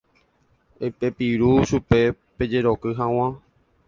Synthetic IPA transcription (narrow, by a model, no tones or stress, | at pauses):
epepiɾuʃupe̞ | pe̞d͡ʒe̞ɾokɨɦãw̃ã